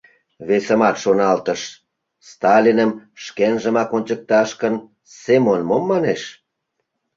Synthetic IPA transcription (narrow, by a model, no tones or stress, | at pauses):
βesə̆mɑt̪ʃonɑlt̪əʃ | st̪ɑlʲinəmʃkenʒəmɑkonʲt͡ɕək̚t̪ɑʃkən | semonmomːɑneʃ